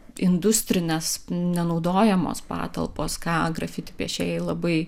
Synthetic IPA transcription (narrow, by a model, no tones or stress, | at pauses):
ɪnd̪ʊsʲt̪ʲɾʲɪnʲesnʲɛnɐʊd̪oːjɛmo̰ːspɑ̰ːt̪ɐ̰lˠpoːskɑːɡɾɐfʲɪt̪ʲɪpʲiɛʃʲɛːjɛɪlˠɐbɐɪ